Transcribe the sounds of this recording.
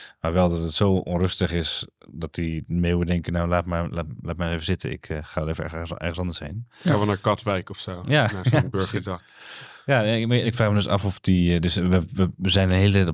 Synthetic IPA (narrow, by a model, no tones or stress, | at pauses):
maːɹʋɛlˠdɔtətsowʔɔ̰nrʏstəχɪsdɑt̚dimewədɛŋkənawlaːtmalaːlaːt̚mɛjnejvəzɪtə̰nɪ̰kχaːdɛlevəɛʔɛ̰rəsɑndəshejnχãːʋənaːɹkɑtʋɛjkɔfsowjaaabøɹχədɑkjaɪkfraːχmədɵsɑ̰fɔfdidəsʋəəʋəzɛjnənɦeːlə